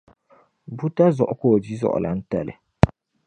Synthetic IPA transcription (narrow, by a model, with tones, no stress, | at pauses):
bu˦ta˦zɔ˨ʔʊ˦koː˦˨di˦zɔ̰˦ʔʊ̰˨la̰˨n̩˦ta̰˦˨lɪ̰˨